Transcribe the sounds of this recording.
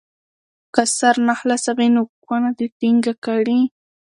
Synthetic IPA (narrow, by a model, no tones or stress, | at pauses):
kasaɾnɑχlasabɪnʊkwanat̪ɪt̪ɪŋɡakaɾiː